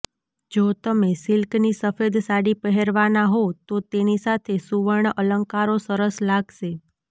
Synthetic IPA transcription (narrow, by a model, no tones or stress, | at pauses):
d͡ʒot̪əmesɪlknisəfed̪saɽipəɦeɾʋanaɦot̪ot̪enisat̪ʰesuʋəɳələŋkaɾosəɾəslaɡʃe